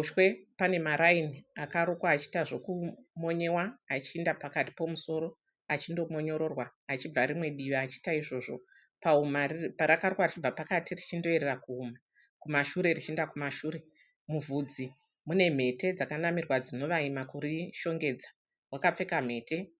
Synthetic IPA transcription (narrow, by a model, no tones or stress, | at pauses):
ʃwe̞pane̞maɾainiakaɾukwaːt͡ʃi̥taʐo̞kumo̞ɲe̞waːt͡ʃiːndapakati̥po̞muso̞ɾo̞ | at͡ʃindo̞mo̞ɲo̞ɾo̞rwaːt͡ʃib͡vaɾimwe̞ɗiʋaːt͡ʃi̥taiʐo̞ʐo̞ | paumapaɾakarukwarit͡ʃib͡vapakatirit͡ʃindo̞e̞ɾerakuːma | kumaʃuɾe̞rit͡ʃindakumaʃuːɾe̞ | muvʱud͡zi | mune̞m̤e̞te̞d͡zakanamirwad͡zino̞ʋaimakuɾiʃo̞ŋɡe̞d͡zḁ | wakap͡fe̞kam̤e̞ːte̞